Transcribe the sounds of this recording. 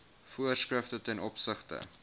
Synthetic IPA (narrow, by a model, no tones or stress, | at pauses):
fuərskrəftətɛnɔpsəχtə̰